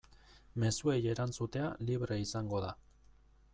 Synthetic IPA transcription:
me̞sue̞je̞ɾant͡sut̪e̞aliβɾeisaŋɡo̞ða

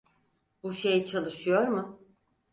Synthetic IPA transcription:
buʃejt͡ʃʰalˠɯʃɯjo̞ɾmʊ

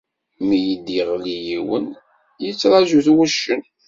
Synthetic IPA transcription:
mijəd̪ːiʁlijiwə̰n | jət͡sːɾˤɑʒuθwæʃːən

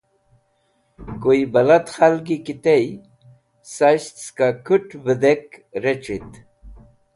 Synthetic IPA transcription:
kuibɐlat̪xalɡikit̪ej | saɕt̪skakʰuʈbəd̪ekɾet͡ɕit̪

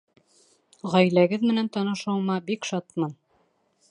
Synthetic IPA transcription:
ʁæjlæɡɘðmɘ̆nænt̪ɑnɤ̆ʃɑwmɑbikʃɑt̪mɑn

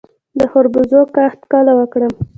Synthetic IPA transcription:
d̪əhoɾbʊzokaxt̪kɑlawəkɽəm

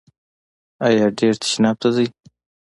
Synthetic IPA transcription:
ajɑɖeɾt̪ḁʃnɑb̚t̪ad̪əj

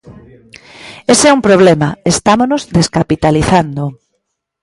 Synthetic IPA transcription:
esɛumpɾoβ̞lɛmɐest̪amonozðeskapit̪aliθand̪ʊ

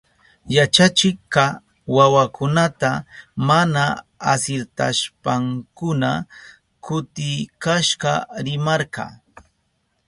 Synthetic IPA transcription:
jat͡ʃat͡ʃɪkɑ | wawakʊnat̪amana | asɪɾt̪a̰ʃpaŋkʊna | kʊt̪ɪjkaʃɢɑɾɪmɑɾqɑ̰ː

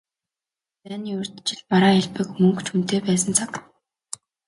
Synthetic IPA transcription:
t͡sæːniːɵr̥t̪t͡ɕɪ̆ɮmaɾaːæɮpɘ̆kmɵŋkt͡ɕʰun̥t̪eːpæːs̬ə̆nt͡sʰak

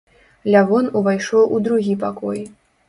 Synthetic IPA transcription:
lʲavɔnuvajʂɔwʔud̪ɾuɣʲipakɔj

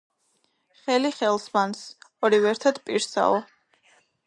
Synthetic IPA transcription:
χɛliχɛlˠsmansɔɾivɛɾt̪ʰad̪pʼiɾsa̰ɔ

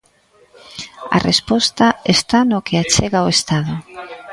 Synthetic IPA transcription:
a̰respɔst̪aest̪anokʰeat͡ʃeɣaoest̪aðʊ

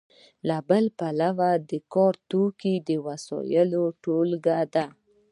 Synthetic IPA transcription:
labəlpalawad̪əkɔɾt̪okid̪əwasɔ̰jəloʈolɡad̪a

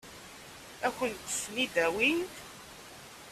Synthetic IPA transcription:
æçənt̪ːə̥snid̪æwin

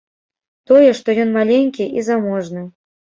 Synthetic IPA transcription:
t̪ɔjɛʂt̪ɔjɔnmalʲeŋʲkʲiʔizamɔʐnɨ

